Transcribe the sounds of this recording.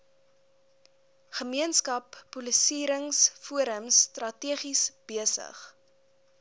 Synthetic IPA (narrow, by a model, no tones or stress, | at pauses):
χəmiənskɐpːulisiːɾəŋsfuəɾəmstrɐtiəχisb̥iəsə̰χ